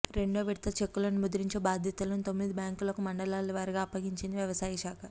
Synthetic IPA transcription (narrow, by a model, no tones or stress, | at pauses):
ɾe̞ɳɖoːʋiɽt̪ɐt͡ʃekːulɐnumud̪uɾiɲt͡ʃebaːd̪ʱjɐt̪ulɐnut̪o̞mːid̪ibjaːŋkulɐkumɐɳɖɐlaːlːuʋɐɾɐɡaːpːɐɡiɲt͡ʃind̪iʋjɐʋɐsaːjiʃaːkʰɐ